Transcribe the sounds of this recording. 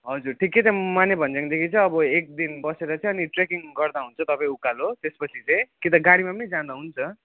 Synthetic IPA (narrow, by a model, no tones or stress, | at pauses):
ɦʌd͡zurʈʰikːet͡sʌ̃manebʱʌnd͡zaŋd̪ekʰit͡sʰʌːbʌek̚d̪inbʌseɾʌt͡sʰʌ̃ʌniʈrekiŋɡʌrd̪aɦunt͡sʰʌt̪ʌpãĩukːalot̪espʌt͡sʰit͡sʌj̃kit̪ʌɡaɽimapʌnid͡zãd̪aɦunt͡sʰʌ